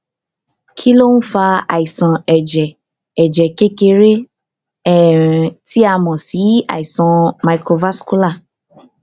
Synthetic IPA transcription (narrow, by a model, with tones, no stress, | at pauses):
kʰi˦lo˦nũ˦fa˧a̰˨i˨sã˨ɛ˨d͡ʒɛː˨ | d͡ʒɛ˨ke˦ke˧ɾe˦˨ | ti˦a˧˨mɔ̃˨si˨˦a̰˨i˨sã˨ma˨kɾo˧va˦sku˦la˦˨